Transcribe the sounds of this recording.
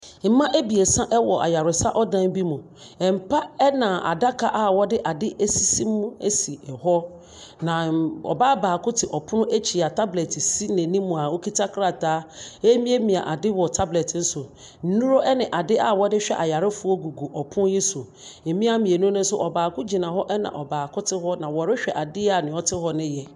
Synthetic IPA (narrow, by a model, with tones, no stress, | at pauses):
m̩˨˦mã˦ʔe˦bi˨e˨sã˦ʔɛ˦wɔ˨ʔa̰˨ja˨ɾʊ˨sa˦ʔɔ˦dã˦n˦bi˦mũ˨ | ɛ˨m̩˨pʰa˦ɛ˦nã˨ʔa̰˨da˦kʰa˨ʔa˦wɔ˦dɪ˦ʔa˨dɪ˦ʔe˦si˦sĩ˦m˦mʊ̃˦e˦si˨ɛ˨hɔ˦ | nã˨ɔ̰˨baː˦baː˨kʊ˦tʰɪ˨ʔɔ˨pʰʊ˦nʊ̃˦ʔe˦t͡ɕʰi˨a˨tʰa˦blɛ˨tʰɪ˨si˦nẽ˨nĩ˦mũ˨a˨wo˦kʰi˦tʰa˦kʰɾa˨tʰaː˨˦e˦mĩ˦e˦mĩ˨a̰˨ʔa˨dɪ˦wɔ˨tʰa˦blɛ˨tn̩˦sʊ˨ | n̩˦nũ˦ɾo˦ʔɛ˦nɪ̃˨ʔa˨dɪ˦ʔa˦wɔ˦dɪ˦ɕᶣɛ̰˦ʔa˨ja˨ɾɪ˦fʊ˨˦ɔ˦ɡu˨ɡu˨ʔɔ˨pʰʊ̃˦njɛ˦sʊ˨ | ɛ˨mĩ˦a˦mĩ˨e˨nũ˦ʊ̃˦n̩˦sʊ˦ʔɔ˨baː˨kʊ˦d͡ʑi˨nã˨ɦɔ˦ʔɛ˦nã̰˨ʔɔ˨baː˨kʰʊ˦tʰɪ˦ɦɔ˦nã˨wɔ˨ɾɪ˦ɕᶣɛ˨ʔa˨dɪ˦a˨nɪ̃˨ɔ˦tʰɪ˦hɔ˦nɪ̃˦jɛ˨